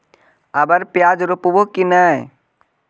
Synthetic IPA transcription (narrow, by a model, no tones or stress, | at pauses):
ɐbɐɾpjaːd͡ʒɾupubokinaj